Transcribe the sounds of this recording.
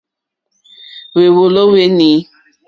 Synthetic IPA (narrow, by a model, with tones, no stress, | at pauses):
we˨wo˨lo˦we˦ni˨˦